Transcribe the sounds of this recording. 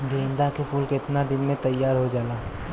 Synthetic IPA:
ɡeːnd̪akepʰuːlkɪt̪nad̪ɪnmẽt̪əjːaːɾɦod͡ʒaːlaː

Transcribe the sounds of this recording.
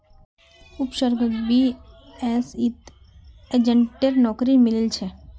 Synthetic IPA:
ʊpʃəɾɡbi | ɛːsit̪ | ed͡ʒə̃ɳʈeɾnɔːkɾimɪlɪlt͡ʃʰɛ

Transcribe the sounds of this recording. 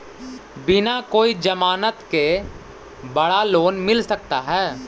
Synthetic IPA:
bɪnakoːid͡ʒəmaːnət̪ke | bɐɽaloːnmɪlsɐk̚t̪aɦɛː

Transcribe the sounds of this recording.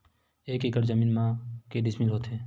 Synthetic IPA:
eːkɪkəɾd͡ʒəmiːnmãkeɖɪsmɪlɦoːt̪ɦẽː

